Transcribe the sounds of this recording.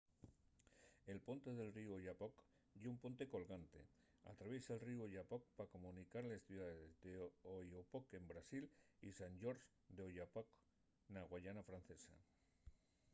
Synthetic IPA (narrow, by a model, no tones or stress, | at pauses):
e̞lpo̞nt̪e̞ð̞e̞lriuojapok | ʝeumpo̞nt̪eko̞lɣant̪e̞̰ | a̰t̪ɾaβjesaelriuoʎapok̚pako̞mũnikaɾlesθjuðaððezd̪eojopoke̞mbɾasilisand͡ʒo̞ɾs | d̪eoʎapok | naɣ̞waʎanafɾan̟θe̞sa̰